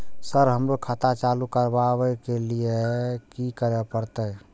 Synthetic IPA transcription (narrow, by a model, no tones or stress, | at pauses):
səɾɦəmɾokʰat̪at͡ʃalukəɾbabəkelijekikəɾɛpəɾt̪əj